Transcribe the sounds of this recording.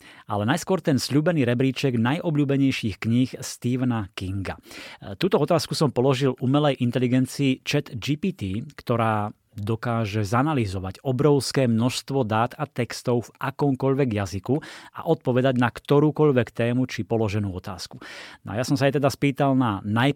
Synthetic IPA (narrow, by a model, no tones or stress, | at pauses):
alɛnajskʊɔɾt̪ɛnsʎuːbɛniːɾɛbɾiːt͡ʃɛɡnajʔɔbʎuːbɛɲɛjʃiːxkɲixst̪iːʋnakiŋɡa̰t̪uːt̪ɔɔt̪aːskusɔmpɔlɔʒilʔumɛlɛjʔint̪ɛliɡɛnt͡siːt͡ʃɛt̪d͡ʒipit̪iːkt̪ɔɾaː | d̪ɔkaːʒɛzanalizɔʋacɔbɾɔʊskɛːmnɔʃst̪ʋɔd̪aːt̪at̪ɛkst̪ɔʊvʔakɔmkɔʎʋɛɡjazikua̰ʔɔt̪̚pɔʋɛd̪aɟnakt̪ɔɾuːkɔʎʋɛkt̪ɛːmut͡ʃipɔlɔʒɛnuːɔt̪a̰ːsku̥n̰a̰jasɔmsaɛt̪ɛd̪aspiːt̪alnanaj